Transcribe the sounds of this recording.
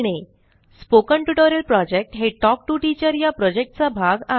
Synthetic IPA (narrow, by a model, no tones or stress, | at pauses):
ɽ̃e | spokəɳʈuʈoɾilpɾɔd͡ʑek̚ʈɦeʈɔk̚ʈuʈit͡ɕəɾjapɾɔd͡ʑek̚ʈ̚t͡sabʱaɡa